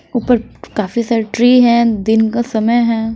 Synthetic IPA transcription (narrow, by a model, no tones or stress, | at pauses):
upəɾkaːfisaːɾeʈɾiːɦɛ̃d̪ɪnkasɐməjɦɛ̃ː